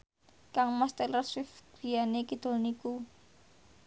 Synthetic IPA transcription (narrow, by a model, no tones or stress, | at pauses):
kaŋmast̪eləswɪfɡ̥i̤janekid̪̥o̤lniku